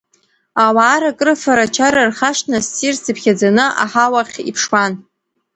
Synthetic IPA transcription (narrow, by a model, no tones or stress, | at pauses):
awaːɾakʼrɨfaɾat͡ʃʰaɾarχaʂnasːirsɨpʰχʲad͡zanɨʔa̰ħawaχʲḭpʰʂwan